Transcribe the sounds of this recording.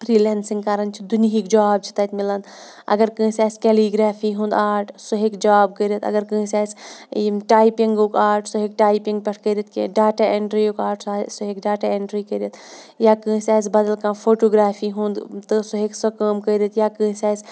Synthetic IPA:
pʰɾiːleːnsiŋɡ̚kaːɾɐnt͡ʃʰid̪uniɦikd͡ʒaːb̚t͡ʃʰi̥t̪at̪milɐnd̪ | ɐ̰ɡəɾkə̃ːsʲaːsʲkeliɡɾaːfʰiɦũnd̪aːʈʰsoɦekd͡ʒaːb̚kəɾit̪ɐ̰ɡəɾkə̃ːsʲaːs | ʈaːjpiŋɡokaːʈʰsoɦek̚ʈaːjpiŋɡpʲɐʈʰkəjɾit̪̚kḭɖaːʈaeɳʈɾiokaːʈsasoɦekɖaːʈaeɳʈɾikəɾit̪ | jakə̃ːsʲaːsbɐd̪əlkãːpʰoːʈoːɡɾaːfʰiɦũnd̪t̪ɨsoɦeksəkəːmkəjɾit̪jakə̃ːsʲaːsʲ

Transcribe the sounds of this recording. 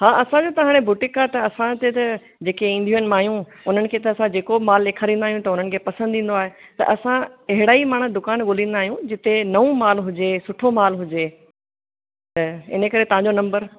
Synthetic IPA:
ɦaːʔɐsãd͡ʑoːt̪ɐɦaːɽ̃ebʊʈɪkːaːt̪ɐɐsãt̪et̪ɐ | d͡ʑeːkeĩːnd̪ʱuən̆maːɦijũ | ʊn̤ənɪ̆kʰeːt̪ɐɐsãd͡ʑeːkomaːlːeːkʰaːɾĩːnd̪aːɦijũt̪ɐʊn̤ənɪ̆kʰeːpɐsə̃nd̪ʱĩːn̆d̪oaːɦet̪ɐ̰ʔɐsãɐɦɪɽaːimaːɽ̃əd̪ʊkaːnɠoːlĩːn̆d̪aːɦijũd͡ʑɪt̪enɐʋũmaːlɦʊd͡ʑesʊʈʰomaːlɦʊd͡ʑe | t̪ɐɪ̰nəkɐɾet̪ɐʋɦãɲd͡ʑonɐ̃mbəɾ

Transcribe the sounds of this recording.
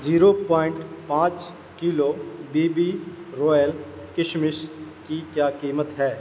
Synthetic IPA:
d͡ʒiːɾoːpɔːɪɳʈpãːt͡ʃ | kiːloːbiːbiːɾoːjəl | kɪʃmɪʃkikjaːkiːmət̪ɦɛː

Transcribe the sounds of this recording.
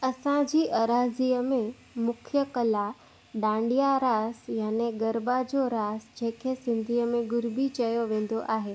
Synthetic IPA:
ɐsãd͡ʑiːʔɐɾaːziːəmẽ | mʊkʰjəkɐla | ɗãːɳɖijaɾaːsjaːneɡɐɾbad͡ʑoɾaːsd͡ʑẽɦkʰesɪ̃nd̪ʱiːəmẽɡʊɾbit͡ɕɐjoʋẽːn̆d̪oʔaːɦeː

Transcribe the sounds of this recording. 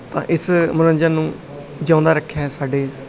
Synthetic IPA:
t̪ã̰ːʔɪsmʊɾənd͡ʒəːnũː | d͡ʒãːnd̪aːɾəkʰːjaːsaːɖeːs

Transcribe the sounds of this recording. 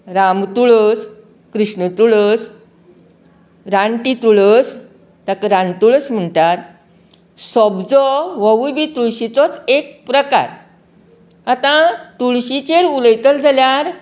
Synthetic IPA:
ɾamt̪uɭəs | kɾiʂɳət̪uɭəs | ɾaɳʈit̪uɭəs | t̪akəɾãnt̪uɭət͡sm̤əɳt̪aɾ | sɔbd͡zɔʋəʋujbit̪uɭɕit͡sɔt͡sek̚pɾəka̰ɾ | at̪ãt̪uɭɕit͡ɕeɾuləjt̪əld͡zʱaljaɾ

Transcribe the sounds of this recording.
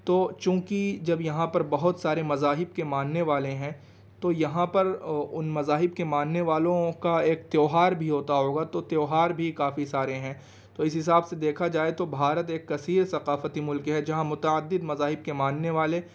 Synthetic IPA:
t̪oːt͡ʃũːkid͡ʒɐbjɐɦãpɐɾbɐɦʊt̪saːɾemɐzaːɦɪbkemãːnneʋaːleɦɛ̃ː | t̪ojɐɦãpɐɾʊnmɐzaːɦɪbkemãːnneʋaːlõkaeːk̚t̪joːɦaːɾbʱiɦoːt̪aɦoːɡat̪ot̪joːɦaːɾbʱikaːfisaːɾeɦɛ̃ː | t̪oɪsɦɪs̬aːbsed̪eːkʰad͡ʒaːet̪obʱaːɾət̪eːkːɐsiːɾsɐqaːfət̪imʊlkɦɛd͡ʒɐɦãmʊt̪əəd̪ːɪd̪mɐzaːɦɪbkemãːnneʋaːle

